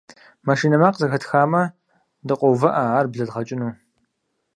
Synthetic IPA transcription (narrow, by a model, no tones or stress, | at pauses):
maʃiːnɐmaːqzɐɣɐtʰxaːmɐ | dɨqʷʼɔwvɐʔɐaːrbɮɐɮʁɐt͡ʃʼɪnuː